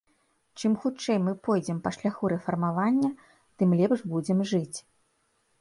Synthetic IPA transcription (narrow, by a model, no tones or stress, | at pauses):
t͡ʂɨmxut͡ʂɛjmɨpɔjd͡zʲɛmpɐʂlʲaxuɾɛfɐrmavanʲːɐ | t̪ɨmlʲɛpʂbud͡zʲɛmʐɨt͡sʲ